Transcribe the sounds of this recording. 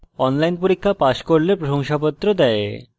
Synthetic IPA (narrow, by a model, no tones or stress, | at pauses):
ɔnlajnpoɾikʰːapaʃkoɾlepɾoɦoŋʃapot̪ːɾod̪ɛe